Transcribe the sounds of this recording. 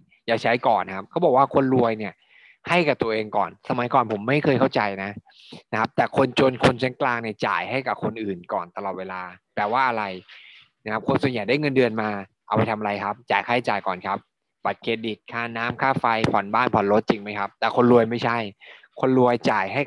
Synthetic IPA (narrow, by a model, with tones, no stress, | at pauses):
jaː˨˩t͡ɕʰa˦˥jkɔː˨˩n˦kʰa˦˥p̚kʰaː˥˩bɔː˨˩kwaː˥˩kʰo˧nlu˧əjni˥˩ɐ | ha˥˩jka˨˩p̚t̪u˧əʔeː˧ŋkɔː˨˩nsa˧ma˨˦jkɔː˨˩npʰo˩˦mːa˥˩jkʰɤː˧jkʰa˥˩wt͡ɕa˧jna˦˥ | na˦˥kʰa˦˥p̚t̪ɛː˨˩kʰo˧nt͡ɕo˧nkʰo˧nt͡ɕʰa˦˥nklaː˧ŋni˥˩ɐt͡ɕa̰ː˨˩jɦa˥˩jka˨˩kʰo˧nʔɯː˨˩nkɔː˨˩nt̪a˧lɔː˨˩t̪̚weː˧laː˧pɛː˨˩waː˥˩ʔa˧ɾa˧j | na˦˥kʰa˦˥p̚kʰo˧nsu˨˩ənja˨˩jdaː˥˩jŋɤ˧ndɯ˧ənmaː˧ʔa˧wpa˧jt̪ʰa˧mʔa˧a˧jkʰa˦˥p̚t͡ɕaː˨˩jkʰaː˥˩t͡ɕaː˨˩jkɔ̰ː˨˩nkʰa˦˥p̚ | ba˨˩t̪̚kʰeː˧˥˩di˨˩t̪̚kʰaː˥˩naː˦˥mkʰaː˥˩fa˧jpʰɔ˨˩˦nbaː˥˩npʰɔ˨˩˦nlo˦˥t̪̚t͡ɕi˧ŋma˦˥jkʰa˦˥p̚t̪ɛː˨˩kʰo˧nɾu˧əjma˥˩jt͡ɕʰa˥˩j | kʰo˧nɾu˧əjt͡ɕaː˨˩jɦa˥˩j